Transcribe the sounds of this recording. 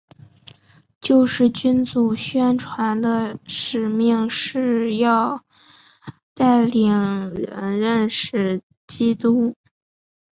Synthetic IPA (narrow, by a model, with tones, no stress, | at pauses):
t͡ɕjo˥˧ʊʂɻ̩˥˩t͡ɕy˥nt͡su˨˩ɕɥɛ˥nʈ͡ʂʰwa˧˥nd̪ə˧ʂɻ̩˨˩mi˥˧ŋʂɻ̩˥˧jɑ˥˧ʊ | t̪a˥˩ɪli˨˩ŋɻə̰˧˥nɻə˥˧nʂɻ̩˥˩ | t͡ɕi˥t̪u˥